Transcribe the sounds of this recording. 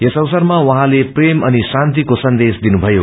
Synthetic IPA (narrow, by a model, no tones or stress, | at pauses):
esʌwsʌrmawʌɦãlepremʌnisãnt̪ikosʌnd̪esd̪inubʱʌjo